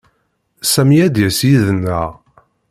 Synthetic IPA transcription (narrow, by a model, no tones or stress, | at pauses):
sæmjæd̪jæsjiðənːəʁ